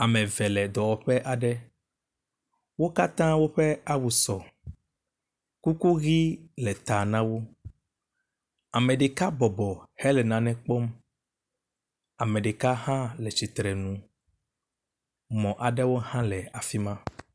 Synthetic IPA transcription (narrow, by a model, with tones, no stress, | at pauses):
a˨mɛ̃˨vɛ˨lɛ˨d̪ɔ˨wɔ˨ɸɛ˦ʔa˨ɖɛ˦ | wo˦ka˦t̪ã˦wo˦ɸɛ˦a˦wu˨sɔ˨ | ku˦ku˦ɣi˦lɛ˨t̪a˨nã˦wo˦ | a˨mɛ̃˨ɖe˨ka˦bɔ˨bɔ˨hɛ˦lɛ˨nã˨nɛ̃˦k͡pɔ˦m | a˨mɛ̃˨ɖe˨ka˦hã˦lɛ˨t͡ʃi˨t̪ɾɛ˨nũ˨ | mɔ̃˨ʔa˨ɖɛ˦wo˦hã˦lɛ˨a˨fi˦mã˦